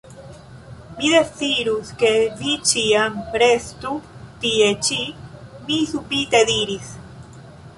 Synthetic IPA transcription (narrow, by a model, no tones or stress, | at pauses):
miðeθiɾuskeðit͡ʃiampɾest̪ut̪iet͡ʃimisupit̪eðiɾis